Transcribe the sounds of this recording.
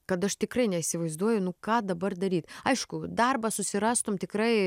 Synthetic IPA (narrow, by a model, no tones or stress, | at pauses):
kɐt̪ɐʃt̪ʲɪkrɐɪnʲɛisʲɪʋɐɪzd̪uɔjɛʊnʊkɑːd̪ɐbɐrd̪ɐɾʲiːt̪ɐɪʃkʊd̪ɑrbɐsʊsʲɪɾɑːst̪omt̪ʲɪkɾɐɪ